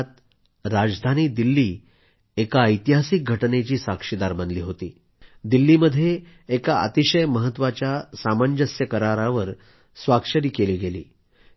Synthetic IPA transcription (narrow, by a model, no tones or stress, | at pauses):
t̪̚ | ɾad͡zd̪ʱaniːd̪ilːiː | ekaəjt̪iɦasik̚ɡʱəʈnet͡ɕiːsakʂid̪aɾbənliːɦot̪ḭː | d̪ilːiːməd̪ʱːjeː | kaʔə̰t̪iɕəjməɦət̪ːʋat͡ɕjasamaɲd͡ʑəsjəkəɾaɾaʋəɾ | sʋakʂəɾiːkeliːɡelḭː